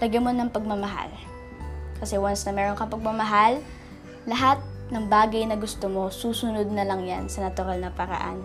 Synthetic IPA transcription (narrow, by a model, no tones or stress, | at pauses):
lɐɡɐmo̞nɐŋpɐɡ̚mɐmɐɦa̰l | kɐsɛwansnɐmɛːɾoŋkɐpɐɡ̚mɐmɐɦalː | ɐɦat̪̚nɐŋbaːɡɐjnɐɡʊst̪omo̞suːsʊnod̪̚nɐlɐŋja̰nsɐnɐt̪ʊɾalnɐpɐɾɐ̰ʔa̰n